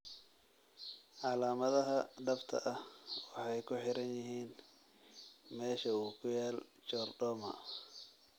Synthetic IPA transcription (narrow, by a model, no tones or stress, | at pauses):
ʔɑlaːmɐðɐɦɐɖɐft̪ʰɐ̰ʔɐhwɑħɑjkʰʊħɪɾɐnjɪɦiːn | mɛːʃɐuːkʰʊjaːlt͡ʃɔːrɖɔːmɐ̰